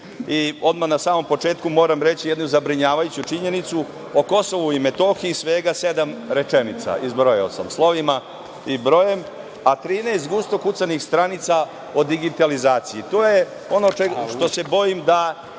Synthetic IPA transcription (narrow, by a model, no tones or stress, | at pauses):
io̞d̪manasaːmo̞mpo̞t͡ʃeːt̪kumo̞ːɾamɾet͡ɕijed̪nuzabɾiɲaːʋajut͡ɕut͡ʃiɲe̞nit̪su | oko̞so̞ʋuimet̪o̞xiisʋeːɡase̞d̪amɾe̞t͡ʃenit̪sa̰ʔizbɾo̞jeosa̰mslˠo̞ʋima | ibɾo̞je̞m | at̪ɾiːneːst̪ɡust̪o̞kut̪sanixst̪ɾanit̪sa | o̞d̪iɡit̪alizaːt̪sijit̪o̞ːje | o̞no̞eʃt̪o̞se̞bo̞jimd̪a